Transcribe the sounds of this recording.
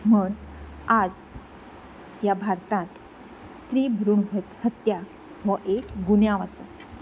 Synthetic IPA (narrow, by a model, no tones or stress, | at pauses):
muːɳad͡z | jabʱaɾt̪ãt̪ | st̪ɾiːbʱɾuɳɦət̪hət̪ja | ʋəʔekɡuɳjaʋasə